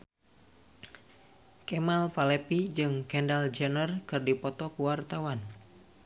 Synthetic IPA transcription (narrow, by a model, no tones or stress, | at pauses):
kɛmalfalɛpid͡ʒɨŋkɛndald͡ʒənərkɨrdipɔt̪ɔkuwart̪awan